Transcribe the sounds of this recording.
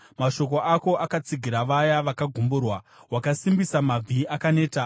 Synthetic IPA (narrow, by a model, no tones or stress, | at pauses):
maʃo̞k̬o̞ʔako̞ʔakat͡siɡʱiɾaʋajaʋakaɡʱumburwa | wakasimbisamab͡vʱiakane̞ːta